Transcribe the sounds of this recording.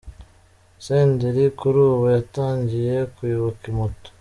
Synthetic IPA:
seːndiɾikuɾuːβojataːɲɟije̞kujuβukimuto̥

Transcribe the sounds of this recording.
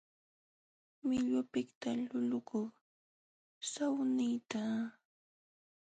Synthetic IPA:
mɪʎʊpɪkt̪alʊʎʊkʊχ | sawnɪjt̪a

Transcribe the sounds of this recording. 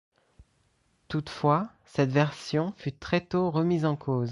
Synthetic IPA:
t̪ut̪fwa | sɛt̪vɛʁsjɔ̃fyt̪χɛt̪oʁəmizɑ̃kʰoːz

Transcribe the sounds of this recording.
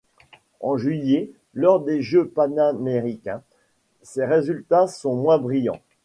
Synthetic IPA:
ɑ̰̃ʒɥije | lɔʁd̪eʒøpanameʁikʲɛ̃ | seʁezylt̪asɔ̃mwɛ̃bʁijɑ̰̃

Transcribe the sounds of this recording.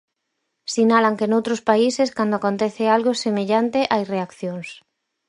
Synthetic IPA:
sinalaŋkenowt̪ɾʊspaiseskand̪oakont̪ɛθealɣosemeʎant̪eʔareakθjoŋs

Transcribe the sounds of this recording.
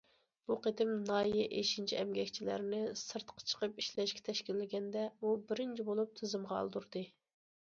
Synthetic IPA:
b̥uqet̪ɪmnɑːjɛʔeʃint͡ʃʰiɛmɡʲɛkʲt͡ʃʰilæ̰ɾnɪsɨɾt̪qʰɑ̥t͡ʃʰə̥qəpiʃlɛʃkʲɛ̥t̪ʰɛʃkʲilːɪɡʲɛnd̪ɛbubɪɾɪnt͡ʃʰibolˠup̚t̪ʰɨzɨmʁɑɑ̰lˠd̪uɾd̪ɨ

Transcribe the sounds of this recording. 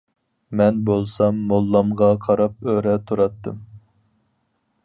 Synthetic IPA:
mɛnbolˠsɑmːolˠːɑmʁɑqʰɑɾɑp̚øɾɛt̪ʰuɾɑt̪ːɨ̰m

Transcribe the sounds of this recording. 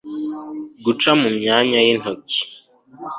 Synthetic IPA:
ɡut͡ʃamumɲaːɲajin̥oki̥

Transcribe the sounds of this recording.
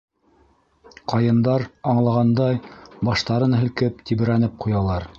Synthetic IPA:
qɑjɤ̆nd̪ɑɾɑɴlˠɑʁɑnd̪ɑjbɑʃt̪ɑɾɤnɦɘ̆lkɘp̚t̪iβɘ̆ɾænɘp̚qujɑlˠɑɾ

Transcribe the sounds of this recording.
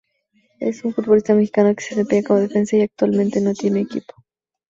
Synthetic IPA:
ḛsunfut̪̚βo̞list̪amexi̥kanoke̥serepeɣakaβoðefe̞nsaiak̚t̪walmẽnt̪enot̪je̞neːkḭpo̥

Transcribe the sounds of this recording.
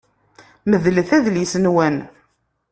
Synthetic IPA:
məðlθæðljəsənwæn

